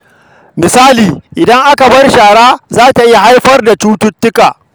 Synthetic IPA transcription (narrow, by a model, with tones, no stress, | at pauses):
mɪ˨saː˦liː˨ʔɪ˨dɐ˦ŋʔa˦ka˨bɐ˦rʃaː˨ɽaː˦zaː˦ta˨ʔɪ˦ja˨ɦa˦jɸɐ˦rda˨t͡ʃuː˦tʊ˦tːʊ˦kaː˨